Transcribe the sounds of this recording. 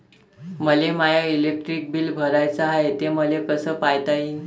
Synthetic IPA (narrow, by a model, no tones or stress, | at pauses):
məlemajailek̚ʈɾik̚biːlbʱəɾajt͡saɦaet̪eməlekəsəːpajt̪ai